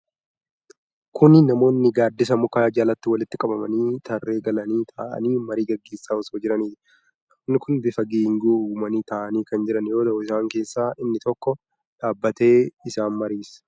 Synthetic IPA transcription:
kʊnɪnɐmo̞ːnːɪɡaːd̪ːɪs̬ɐmʊkaːd͡ʒaːlɐt̪ːɪwɐlɪt̪ːɪkʼɐbɐmɐniːt̪ɐrːe̞ːɡɐlɐniːt̪ʰa̰ːʔɐ̰niːmɐɾiːɡɐɡːe̞ːsːaːɔsoːd͡ʒɪɾɐniː | nːɪkʊnbɪfɐɡiːŋɡuuːmɐniːt̪aːʔɐniːkɐnd͡ʒɪɾɐnjo̞ːt̪ɐʔʊɪsaːŋke̞ːsːaːʔɪnːɪt̪ɔkːɔ | ᶑaːbːɐt̪e̞ːɪsaːnmɐɾiːs

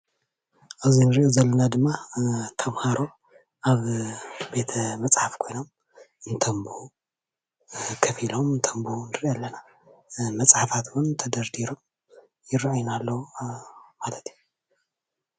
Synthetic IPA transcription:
ʔɨzinɨɾʔozɐlːɐnad̪ɨmːat̪ʰɐmhaɾo̞ | ʔaβbe̞t̪ʰɐmɐt͡sʼħafkʰo̞jno̞m | ɨnt̪ʰɐmbu | kʰɐfilo̞mɨnt̪ʰɐmbunɨɾiʔjɛlːɐna | mɐt͡sʼħafat̪wunt̪ʰɐd̪ɐɾd̪iɾom | jɪɾʕujnalːɐwu | malɐt̪ʰju

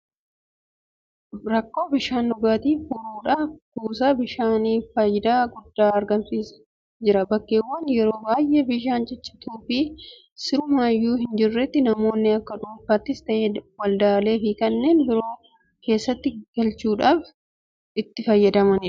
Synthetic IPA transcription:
ɾɐkːo̞ːbɪʃaːnːʊɡaːt̪iːfuɾuːᶑaːfkuːsaːbɪʃaːniːfɐjɪd̪aːɡʊd̪ːaːɐɾɡɐntiːs | d͡ʒɪɾɐbɐkːeːwːɐnjɛɾo̞ːbaːjʔe̞ːbɪʃaːnd͡ʒɛt͡ʃːɪ̥t̪uːfɪ | sɪɾʊmaːjːuːhɪnd͡ʒɪrːɛt̪ːɪnɐmo̞ːnːɪɐkːɐᶑuːfaːt̪ːɪst̪ɐʔeːwɐld̪ɐʔɐle̞ːfɪkɐnːe̞ːnbɪɾo̞ː | ke̞ːsːɐt̪ːɪɡ̥ɐlt͡ʃuːᶑaːf | ɪt̪ːɪfɐjːɐd̪ɐmɐnɪ

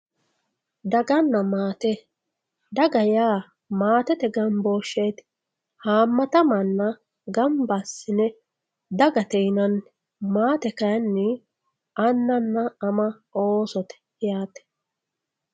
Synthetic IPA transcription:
d̪ɐɡɐnːɐmaːt̪ɛ | d̪ɐɡɐjaː | maːt̪ɛt̪ɛɡɐmbo̞ːʃːejt̪ | haːmːɐt̪ɐmɐnːɐ | ɡɐmbasːɪnɛ | d̪ɐɡɐt̪ɛjnɐn | maːt̪ɛkɐjɐnːɪ | ɐnːɐnːɐːmɐʔoːsɔt̪ɛ̥ | jaːt̪ɛ̥

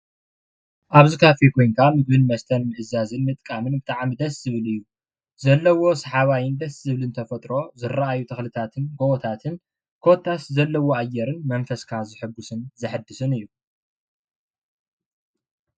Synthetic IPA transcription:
ʔaβzikʰafikʰo̞jŋkʰamɨbɨnmɐst̪ʰɐnmɨʔɨzazɨnmɨt̪ʼkʼamɨnbɨt̪ʼaʕmid̪ɐszɨβɨlɨjːu | zɐlːɐwo̞saħaβajɪnd̪ɐszɨβɨlɨnt̪ʰɐfɐt̪ʼɾo̞zɨraajut̪ʰɐxlɨt̪ʰat̪ʰɨnɡowɔt̪ʰat̪ʰɨn | kʰo̞t̪ʰːaszɐlːɐwoajːɛɾɨnmɐnfɐskʰazɨħɨɡːusɨnzɐħɨd̪ːɨsɨnɨjːu

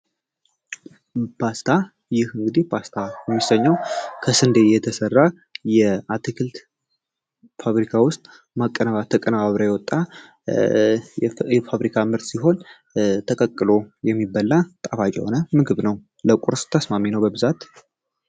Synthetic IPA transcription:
pʰast̪ʰa | jɪhɨŋɡɨd̪ihpʰast̪ʰajɛmːisəɲːəwkʰəsɨnd̪ejɛt̪ʰəsərːa | jɛat̪ʰɨkʰɨlt̪ | faβɾikʰawʊst̪ʼ | makʼːənəβat̪ʰəkʼənəβaβɾajɛwɔt̪ʼːa | jɛfaβɾikʰamɨɾt̪siɦo̞n | t̪ʰəkʼəkʼːɨlo̞jɛmːibːalːat̪ʼafat͡ʃʼɛ̰ho̞nəmɨɡɨβnəw | ləkʷʼuɾst̪ʰəsmaminəwbəbɨzat̪

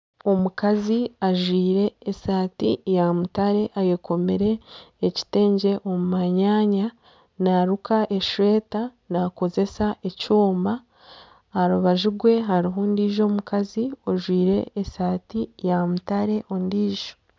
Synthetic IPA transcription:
o̞mukaziaʒwiːɾe̞ːsaːtijamutaɾe̞ʔajeko̞meɾe̞ːci̥te̞ːɲɟe̞ʔo̞mumaɲaːɲa | naɾukaʔe̞ʃwe̞ːta | nako̞ze̞saʔe̞cuːmbaː | ɾuβaʒiɡwe̞ɦaɾiɦondiːʒo̞mukazio̞ʒwiːɾe̞̰ːsaːtijamutaɾe̞ʔo̞ndiːʒ̥o̞

